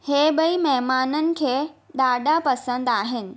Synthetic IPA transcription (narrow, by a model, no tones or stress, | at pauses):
heːbɐimɐɦmaːnənɪ̆kʰeːɗaːɗapɐsə̃nd̪aːɦɪnɪ̆